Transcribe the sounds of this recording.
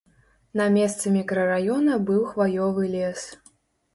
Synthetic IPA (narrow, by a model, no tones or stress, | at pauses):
nɐmʲɛst̪sɨmʲikɾɐrajɔnɐbɨwxvajɔvɨlʲɛs